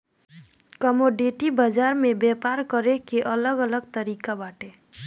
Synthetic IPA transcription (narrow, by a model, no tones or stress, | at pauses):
kəmoɖeʈibəd͡ʒaɾmebepaɾkəɾekeʔələɡələɡ̚t̪əɾikabaʈe